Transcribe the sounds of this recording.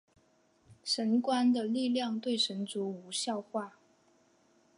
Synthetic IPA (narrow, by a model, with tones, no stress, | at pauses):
ʂə˧˥nkwa˥nd̪ə˨li˥˧ljɑ˥˧ŋt̪we˥˩ɪʂə˧˥nt͡su˧˥u˧˥ɕjɑ˥˧ʊxwa˥˩